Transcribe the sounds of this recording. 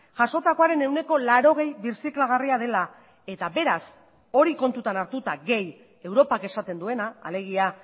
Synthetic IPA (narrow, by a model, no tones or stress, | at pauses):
ʝaso̞t̪ako̞aɾe̞ne̞wne̞ko̞laɾo̞ɣ̞e̞jβiɾsiklaɣ̞ariað̞e̞la | e̞t̪abe̞ɾas | o̞ɾiko̞nt̪ut̪anaɾt̪ut̪aɣe̞j | e̞wɾo̞pake̞sat̪e̞nd̪ue̞naːle̞ɣ̞ia